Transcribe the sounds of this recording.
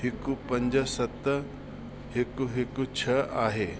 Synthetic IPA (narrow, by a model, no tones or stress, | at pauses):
hɪkupɐ̃ɲd͡ʑəsɐt̪ | ɦɪkuɦɪkut͡ʃʰɐaːɦeː